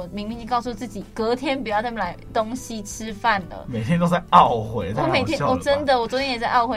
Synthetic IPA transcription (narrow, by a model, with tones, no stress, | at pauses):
mi˧˥ŋmĩ˧˥i˥˧ŋkɑ˥˧ʊsu˥˧t͡sɹ̩˥˩t͡ɕi˨˩kɤ˨˦t̪ʰjɛ˥npu˨˩jt͡smə˨˩la˧˦ɪt̪o˥ŋɕi˦ʈ͡ʂʰɻ̩˥˦fa˥˩nlə̰˩me˨˩ɪt̪ʰjɛ˦nt̪o˥ʊt͡sa˥˧ɪʔɑ˥˨ʊxwe˧˦ɪ˥ɔ˥˩me˨ɪt̪jɛ˥nɔ˨˩ʈ͡ʂə˦nd̪ə˨wɔ˨˩t͡so˧˥˦t̪ʰjɛ˥jɛ˨˩t͡sa˥˧ɪʔɑ˥˩ʊxwe˧˦